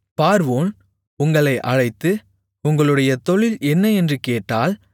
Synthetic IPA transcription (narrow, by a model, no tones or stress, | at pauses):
paːɾʋoːn | ʊŋɡɐɭɐɪʔɐɻɐɪt̪ːɯ | ʊŋɡɐɭɯɽɐjɐt̪ɔɭɪlɛnːɐɛndrɯkeːʈːaːl